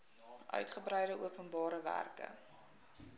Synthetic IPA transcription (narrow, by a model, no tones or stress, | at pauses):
ʔœ̰ɥtχəbrəjɾəʔuəpənbɑːɾəvæ̰rkə̰